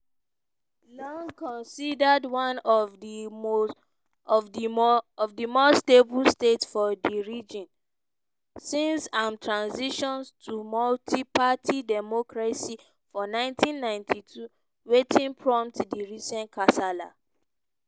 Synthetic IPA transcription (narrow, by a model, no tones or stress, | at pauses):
lɔ̃ŋkɔ̃nsidədwãnɔvi | ɔvdiɔvdimosteblstetsfɔdiɹid͡ʒɔ̃n | sĩnsãmtʰɹãnsiʃɔ̃nstʰumɔltʰipatʰidɛmɔkɹasi | fɔnãɪ̃ntʰĩnːãɪ̃ntʰitʰu | wetʰĩnpʰɹɔ̃mtdiɹisɛ̃nkʰasala̰